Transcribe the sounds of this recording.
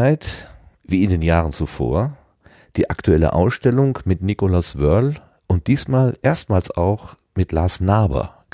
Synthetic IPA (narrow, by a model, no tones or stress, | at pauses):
aɪt | viːɪndeːnjaːʁənt͡sufo̰ːɐ | d̥iːʔa̰ktʰuɛlə̰ʔa̰ʊsʃtɛlʊŋmɪtnikolasvœɐl | ʔʊnt̚d̥iːsmaːlʔeːɐstmaːlsa̰ʊx | mɪtlaːsnaːbɐ̰̥